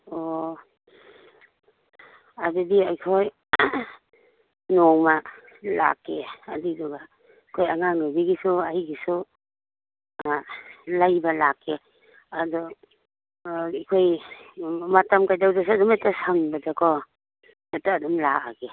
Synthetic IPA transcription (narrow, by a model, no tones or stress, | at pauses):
ɔ | adidiajkʰoj | nɔŋma | la̰kːeːdidɔɡa | kʰojaŋanabiɡisuajɡisu | lajbalakʰːe | adɔ | kʰoj | matamkajdawdas̬uadumatasaŋbadakʰɔ | dataːdumla̰a̰ɡe